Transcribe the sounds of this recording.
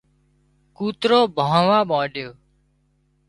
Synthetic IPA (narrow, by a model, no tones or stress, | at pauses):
kuːt̪ɾoːbʱãːʋãːɓãːɖjoː